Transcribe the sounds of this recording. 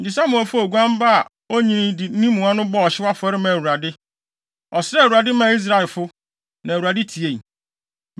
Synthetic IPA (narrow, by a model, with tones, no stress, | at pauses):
n̩˨d͡ʑɪ˨sa˦mʊ̃˨æ˨fʊ˦o˨ɡʷã˦m˦ba˦a˨ | o˦ɲĩ˦nɪ̃˦dɪ˨˦nĩ˦mũ˨ã˦nʊ̃˦bɔ˦ɔ˨ɕɪ˦wa˦fʊ˨ɛ˦ɾɪ˦mã˨u˨ɾa˨dɪ˦ | ɔ˨sɾɛ˦˨u˨ɾa˨dɪ˦mã˨i˦s̬ɾa˦˨ɪ˨lfʊ˦ | nã˨u˨a˨dɪ˦tʰi˨e˦˨